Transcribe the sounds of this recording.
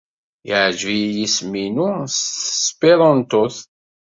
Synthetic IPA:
ɪʕʒvijisminusspiɾˤənt̪oθ

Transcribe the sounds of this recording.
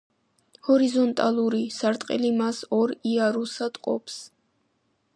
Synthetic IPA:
hɔɾizɔnt̪ʼalˠuɾisaɾt̪ʼqʼḭlimasɔɾiaɾusad̪qʼɔ̰pʰs

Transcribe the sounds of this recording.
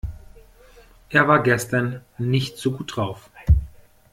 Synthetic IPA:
ʔeːɐvaːɐɡɛstɐnːɪçtz̥uɡuːt̚d̥ʁaʊf

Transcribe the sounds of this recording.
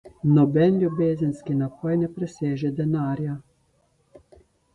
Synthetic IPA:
nɔbɛnlʲubɛzʲɪnʲskinapɔjnɛpɾɛsʲɛʒɛd̪ɛnɑɾʲjɐ

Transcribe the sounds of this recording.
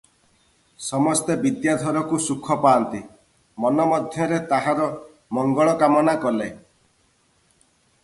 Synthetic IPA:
sɔmɔst̪ebid̪jad̪ʱɔɾɔkusukʰːɔpaːnt̪i | mɔnɔmɔd̪ʱjɔɾet̪aɦaɾɔ | mɔŋɡɔɭɔkamɔnakɔle

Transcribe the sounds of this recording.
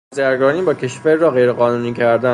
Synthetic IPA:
zæɾɡɒːniːbɒːcʰe̞ʃvæɾːɒːɣejɾeɣɒːnuːniːcʰæɾd̪æ

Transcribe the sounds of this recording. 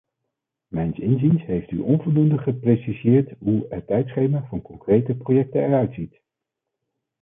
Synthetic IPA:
mɛjnsɪnzinsɦejfty̰ʔɔnvɔlˠdundəχəprejsizɪːɹtɦuətːɛjtsχejmaːvɑnkɔŋkrejtəprojɛk̚tənɛɹœɥtsit

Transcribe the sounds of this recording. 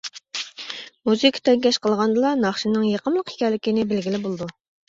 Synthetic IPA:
muzikʲʰt̪ʰɛŋɡʲɛʃqəlˠʁɑnd̪ɨlˠɑnɑχʃinɨŋjeqəmlˠəqi̥kʲɛlːɪkʲinɪbɪlɡʲilɪbolˠɨd̪u

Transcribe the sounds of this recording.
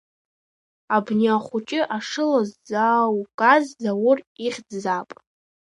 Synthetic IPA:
abniaχʷʊt͡ʃʼɪʔaʂɨlazd͡zawkʼazzawʊriχʲdzapʼ

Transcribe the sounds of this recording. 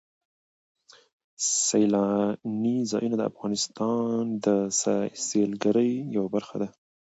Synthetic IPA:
sajlɑnizɑjunad̪əa̰fɣɑnɪst̪ɑnd̪əsaselɡaɾəjjawabaɾxad̪a

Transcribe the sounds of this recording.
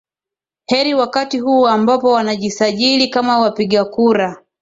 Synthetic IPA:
hɛɾiwakatihuambapɔwanaʄisaʄilikamawapiɠakuɾa

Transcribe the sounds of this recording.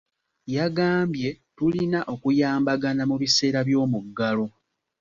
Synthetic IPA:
jaɡaːmbje̞ | tulinaʔo̞kujaːmbaɡanamuβise̞ːɾaβjo̞ːmuɡːalo̞

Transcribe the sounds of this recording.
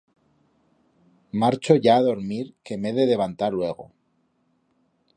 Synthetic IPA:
maɾt͡ʃo̞ʝaːðo̞ɾmiɾke̞me̞ðe̞ðe̞β̞ant̪aɾlwe̞ɣ̞o̞̰

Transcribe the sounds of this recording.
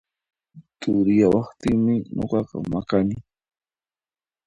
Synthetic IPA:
t̪ʊɾɪjawɑχt̪ɪŋmɪɲʔo̰qɑqɑ̰makanɪ

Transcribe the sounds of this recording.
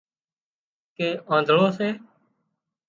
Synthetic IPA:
keːʔãːnd̪ʱɭoːseː

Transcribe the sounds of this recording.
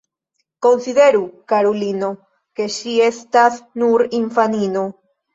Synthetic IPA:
ko̞nside̞ɾukaɾolino̞ | ke̞ʃie̞stasnuɾiɱfanino̞

